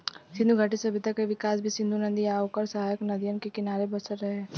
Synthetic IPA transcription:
sɪnd̪uɡʱaʈisɐbɪt̪akeʋɪkaːs̬bʱisɪ̃nd̪ʱunə̃nd̪iaːʋkəɾsɐɦaːjəknɐd̪ijənkekɪnaːɾebɐsəɾɾɐɦeː

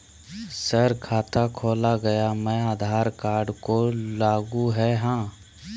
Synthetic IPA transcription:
səɾkʰaːt̪ʰakʰoːlaɡɐjamɛ̃aːd̪ʱaːɾkaːɾɖkolaːɡuɦɛɦãː

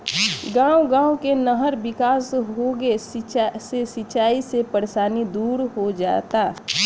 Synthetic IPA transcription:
ɡãːuɡãːukenəɦəɾbɪkaːsɦoɡesesət͡ʃaːisepəɾesaːnid̪uːɾɦod͡ʒa̰ːt̪aː

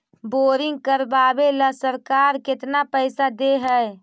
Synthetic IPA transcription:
boɾiŋɡkəɾbabeləsəɾkaɾket̪napəɪsad̪eɦəj

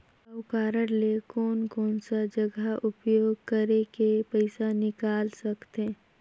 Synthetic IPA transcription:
ɐʊkaːɾəɾlekɔːnkɔːnsad͡ʒəɡaʊpjoːɡ̚kəɾekepəɪsanɪkaːlsɐkt̪e

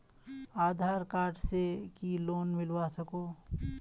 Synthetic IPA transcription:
aːd̪ʱaːɾkaːɾʈsekiloːnmɪlwasɐkoː

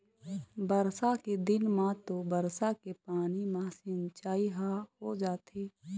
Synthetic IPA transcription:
bəɾsaked̪ɪnmãt̪obəɾsakepaːnimãsɪnt͡ʃaːiɦahod͡ʒaːt̪eː

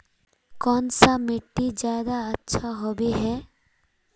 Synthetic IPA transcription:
kɔːnsamɪʈːid͡ʒjaːd̪aɐtːʃʰaɦobiɦɛː

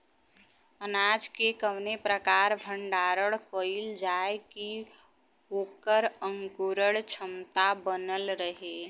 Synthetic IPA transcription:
ənaːd͡ʒkekəwnepɾəkaːɾbʱəɳɖaːɾəɽkoɪld͡ʒaeki | oːkəɾə̃ŋkuɾəɽt͡ʃʰəmt̪abənəlɾəɦe

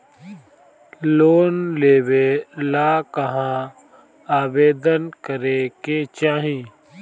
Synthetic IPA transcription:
loːnleːwelaːkəɦã | aːbeːd̪ənkəɾeket͡ʃaːɦĩː

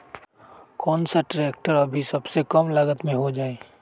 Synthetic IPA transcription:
kɔːnsaʈɾɛːk̚ʈəɾɐbʱisɐbsekɐmlɐɡət̪mẽɦod͡ʒaːeː

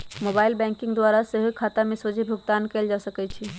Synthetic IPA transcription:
mobaːɪlbɛ̃ŋkɪ̃ŋɡd̪waɾaseɦikʰat̪amesod͡ʒʱibʱʊɡt̪ankeld͡ʒasəkɛt͡ʃʰi

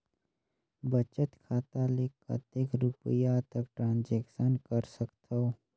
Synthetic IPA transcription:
bət͡ʃət̪kʰaːt̪alekə̰t̪ekɾupəjat̪əkʈɾãːnd͡ʒɛːkʃənkəɾsəkt̪ʰo

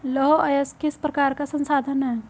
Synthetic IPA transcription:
lɔɦoɐjəskɪspɾɐkaːɾkasə̃nsaːd̪ʱənɦɛː

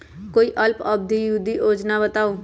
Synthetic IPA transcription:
koiʔʌlpʌb̚d̪ʱijud̪iʔod͡znabʌt̪aw

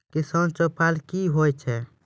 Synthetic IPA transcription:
kisənt͡ʃɔpalkiɦojt͡ʃʰɛ

